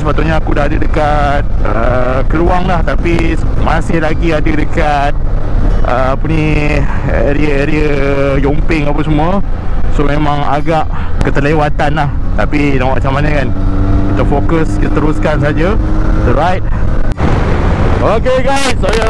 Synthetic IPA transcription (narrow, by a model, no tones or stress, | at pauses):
səpat̪uʔɲaːkudahadədəka | t̪̚ə | kəluaŋlaht̪api | masɪhlaɡiadədəka | t̪̚ʔə | puni | eɾiəeɾiə | jompɪŋapəsəmũə | somẽmãŋaɡaʔ | kət̪əlewat̪anlaht̪apidawa̰ʔt͡ʃamanakankit̪əfokəskit̪at̪əɾuskans̬ad͡ʒat̪uɾajt̚ | okeɡajsoja